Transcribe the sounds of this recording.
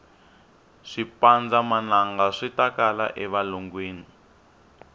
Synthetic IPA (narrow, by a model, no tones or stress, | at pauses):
ʂipand͡zamanaŋɡaʂitakala̰ʔɛβaloŋɡweːni